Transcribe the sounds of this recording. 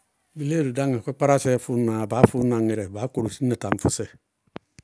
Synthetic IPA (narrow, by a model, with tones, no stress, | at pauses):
mi˨le˦ɾu˨da˦ŋe˨kʷɛ˦k͡pa˦ɾa˦sɛ˦fu˦naː˨baː˨˦fʊ˦na˨ŋɪ˨ɾɛ˨baː˨˦ko˨ɾo˨si˦na˨ta˨m˨fu˦sɛ˨